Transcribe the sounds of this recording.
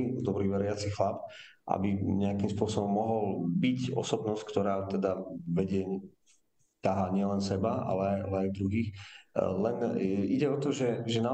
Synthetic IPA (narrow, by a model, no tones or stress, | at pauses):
id̪ɔbɾiːʋɛɾɪat͡sixlap | ʔa̰biɲɛakimspʊɔsɔbɔmːɔɦɔlbicɔ̰sɔbnɔsc̚kt̪ɔɾaːt̪ɛd̪aʋɛɟɛɲ | t̪aɦaːɲɪɛlɛnsɛbaa̰lɛaja̰lɛajd̪ɾuɦiːxlɛniɟɛɔt̪ɔʒɛʒɛna